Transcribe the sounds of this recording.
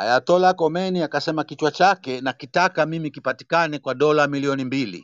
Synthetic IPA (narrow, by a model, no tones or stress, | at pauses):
ha̰jatɔlakɔmɛniakasɛmakit͡ʃwat͡ʃakɛnakitakamimikipati̥kanɛkwaɗɔlamiliɔnimbilḭ